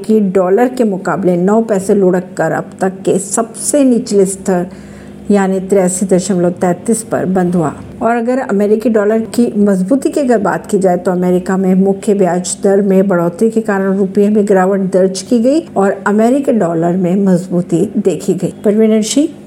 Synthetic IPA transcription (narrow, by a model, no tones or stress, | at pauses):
kiɖɔːləɾkemʊkaːblenɔːpɛːseloːɽəkːɐɾɐ̰bt̪ɐkːesɐbseniːt͡ʃlɪst̪ʰəɾ | jaːnit̪ɾɛːsid̪ɐʃəmlot̪ɛ̃ːt̪ispɐ̰ɾbɐ̃nd̪ʱua̰ː | ɔːɾɐɡəɾɐ̰mɛːɾɪkiɖɔːləɾkimɐzbuːt̪ikeɐɡəɾba̰ːt̪kid͡ʒaːet̪oɐmɛːɾɪkamẽmʊkʰjəbjaːd͡ʒd̪əɾmẽbɐɽ̤ɔːt̪ɾikekaːɾəɽ̃ɾʊpjemẽɡɾaːʋəʈ̚d̪ɐɾd͡ʒkiɡɐiɔːɾɐmɛːɾɪkiɖɔːləɾmẽmɐzbuːt̪id̪eːkʰiɡɐiːpɐɾʋɪ̃nə̃nʃiː